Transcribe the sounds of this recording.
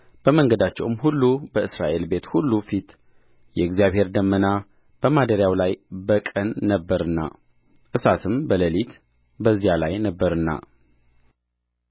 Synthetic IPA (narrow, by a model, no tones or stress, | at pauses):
b̥əməŋɡəd̪at͡ʃːɛwmhulːubəʔɨsɾaʔe̞lbe̞t̪hulːufit̪ | jɛɨɡzijaβhe̞ɾd̪əmːəna | b̥əmad̪əɾjawlajbəkʼənːəbːəɾɨnːa̰ | ʔɨsat̪ʰɨmbələlit̪ | bəzːijalajnəbːəɾɨnːa̰